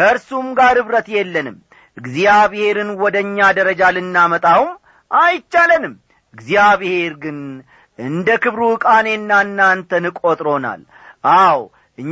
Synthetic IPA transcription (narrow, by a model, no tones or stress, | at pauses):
kʰəɾsumɡaɾhɨβɾət̪jɛlːənɨm | ɨɡzijaβhe̞ɾɨnwɔd̪əɨɲːad̪əɾəd͡ʒalɨnːamət̪ʼawm | ʔajt͡ʃːalənɨm | ɨɡzijaβhe̞ɾɡɨn | ɨnd̪əkɨβɾuɨkʼane̞nːanːant̪ʰənɨkʼot̪ʼɾo̞na̰l | ʔaw | ʔɨɲː